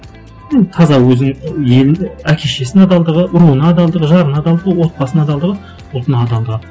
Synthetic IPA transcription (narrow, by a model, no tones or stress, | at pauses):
jent̪ʰɑzɑwɵzɪŋje̞lnækʲʰeʃe̞sɪnɑd̪ɑlˠd̪əʁəʊɾuənɑːd̪ɑlˠd̪əʁəʒɑɾənɑd̪ɑlˠd̪əʁəwo̞t̪̚pɑsənɑd̪ɑlˠd̪əʁə | ʊlˠt̪ənɑd̪ɑld̪əʁə